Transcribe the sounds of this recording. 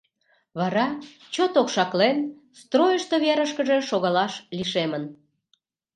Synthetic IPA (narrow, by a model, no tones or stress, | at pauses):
βɑɾɑ | t͡ɕot̪okʃɑklen | st̪rojəʃt̪oβeɾəʃkəʒe̽ʃoɣɑlɑʃliʃemən